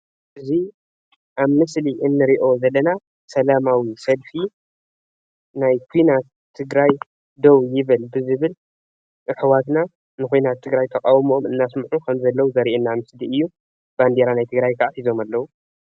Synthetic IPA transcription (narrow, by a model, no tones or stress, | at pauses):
ʔɨzi | ʔaβmɨsliʔɨnːɨɾiʔo̞zɐlːɐna | sɐlamawisɐlfi | najkʰujnat̪ʰːɨɡɾaj | d̪owjɪβɨlbɨzɨβɨl | ʔɨħwat̪na | nɨkʰujnat̪ʰːɨɡɾajt̪ʰɐkʼawɨmomɨnːasmħukʰɐmzɐlːɐwuzɐɾiʔenːamɨsliɨjːu | b̥and̪eɾanajt̪ʰɨɡɾajkʰaʔħizo̞malːɐwu